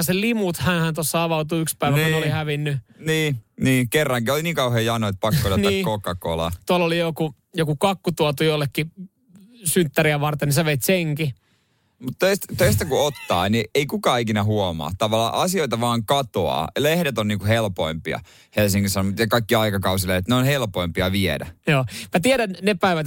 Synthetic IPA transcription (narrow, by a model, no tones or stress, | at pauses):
ɑselimut̪hænhænt̪osːɑɑʋɑut̪uykspæiʋænkunolihæʋinːyniːniːkerːɑŋkioliniːŋkɑuheːjɑnoet̪̚pɑkːoolɑniːkokɑkolɑ̰t̪uɑlːolijoku | jokukɑkːut̪uot̪ujolːekːi | synt̪ːæɾiæʋɑrt̪eniseʋeit̪seŋki | mut̪t̪øist̪t̪øist̪ækuot̪ːɑ̰ːnieikukɑːikinæɦuomɑ̰t̪ɑʋɑlːˑɑ̰ːʔɑsioit̪ɑʋɑːŋkɑt̪o̰ɑ̰lehdet̪onniːŋkuhelpoimpiɑ̰ | helsiŋkisɑnomut̪jɑkɑikːiɑikɑkɑus̬ileet̪neonhelpoimpiɑʋiedæ̰joːmæt̪iɛɾænnepæiʋæt̪